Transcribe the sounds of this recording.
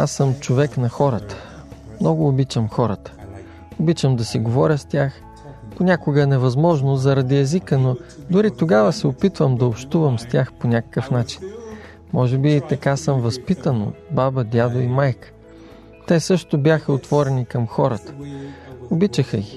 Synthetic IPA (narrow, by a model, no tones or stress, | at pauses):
asəmt͡ʃovɛknɐxɔɾət̪ə̥ | mnɔɡʊːbit͡ʃəmxɔɾət̪ə̥ | obit͡ʃəmd̪ɐsiɡovɔɾʲəst̪ʲax | ponʲakʊɡənɛvɐzmɔʒnozɐɾɐd̪iɛzikənod̪ʊɾit̪oɡavəsɛopit̪vəmd̪ɐopʃt̪uvɐmst̪ʲaxponʲakə̥kəfnat͡ʃi̥n | mɔʒɛbiːt̪ɐkasəmvɐspit̪əno̰babəd̪ʲjad̪oimajk | t̪ɛsɤʃt̪ʊbʲjaxəot̪v̥ɔɾɛnikɐmxɔɾət̪ə̥ | obit͡ʃəxəɡi